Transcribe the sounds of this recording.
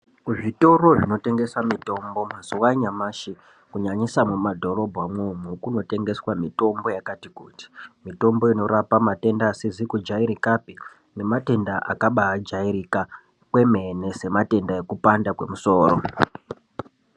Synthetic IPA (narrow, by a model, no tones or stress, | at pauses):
ʐito̞ro̞ʐino̞te̞ŋɡe̞swamito̞mbo̞mazuwaɲamaːʃi | kuɲaɲisamumadʱo̞ɾo̞bʱɣamwumukuno̞te̞ŋɡe̞swamito̞mbo̞jakatikuːti̥mito̞mbo̞ino̞ɾapamate̞ndaːsizikud͡ʒaiɾikapi | ne̞mate̞ndaʔakaɓaad͡ʒaiɾika | kwe̞me̞ne̞se̞mate̞ndaje̞kupandakwe̞̰muso̞ːɾo